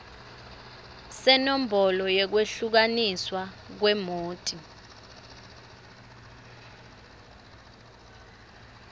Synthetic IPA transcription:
sɛnom̩bʱɔlɔjɛk̬weɬuk̬aniswak̬wɛmoːtʼi

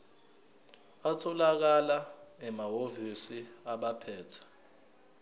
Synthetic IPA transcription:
atʰɔlak̬alaɛmaɦovisiaɓapʰɛːtʰḁ

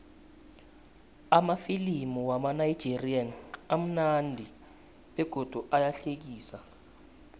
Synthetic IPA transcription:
amafilimuwamanajid̥ʒ̥ʱirianam̩nandʱi | ɓɛɡ̥ʱɔd̥ʱuʔalaɬek̬iːsa

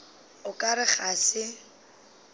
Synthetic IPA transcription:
ʊkʼaɾɪχasɪ

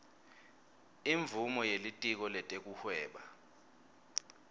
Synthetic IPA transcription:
iɱvʱumɔjelitʼik̬ɔlɛtʼek̬ʼuhwɛːɓa

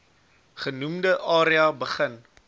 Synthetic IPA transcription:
χənumdəʔɑːɾiɐbəχən

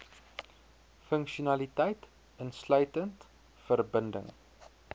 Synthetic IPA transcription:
fəŋkʃiunɐlitɛjt | ənslœɥtənt | fərbəndə̰ŋ

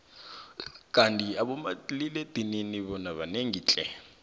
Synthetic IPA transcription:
kʼantʼiaɓɔmaliled̥ʱininiɓɔnaɓaneŋiːt͡ɬʼɛ

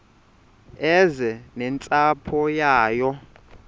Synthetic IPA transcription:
ɛzɛnɛnt͡sʼapʰɔjaːjɔ

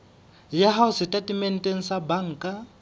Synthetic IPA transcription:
jaɦaʊsɪtʼatʼimɛn̩tʼen̩sabaŋ̩ːkʼa

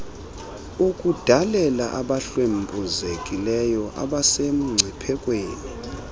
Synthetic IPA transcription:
ukʼud̥ʱalɛlaʔaɓaɬwembʼuzekʼilɛjɔʔa̰ɓasem̩ŋ͡ǀʱipʰɛkʼweːni

